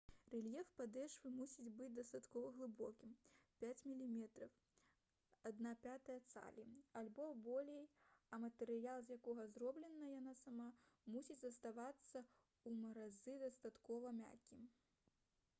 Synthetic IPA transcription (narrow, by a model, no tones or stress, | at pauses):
rɛlʲjɛfpad̪ɛʂvɨmusʲid͡zʲbɨd͡zʲd̪ɐst̪at̪kɔvɐɣlˠɨbɔkʲimpʲat͡sʲmʲilʲimʲɛt̪ɾɐw | ad̪napʲat̪ɐjɐt̪sa̰lʲialʲbɔbɔlʲejɐmɐt̪ɛɾɨjalˠzʲjakɔɣɐzrɔblʲɛnːɐjanasamamusʲit͡sʲzɐst̪avat̪sːɐ | umɐɾazɨd̪ɐst̪at̪kɔvɐmʲa̰kʲːim